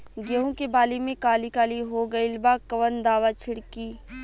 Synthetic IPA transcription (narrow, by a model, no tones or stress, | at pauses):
ɡeɦõkebaːlimẽkaːlikaːliɦoɡɐɪlbaːkɐʋənd̪aːʋat͡ʃʰɪɽkiː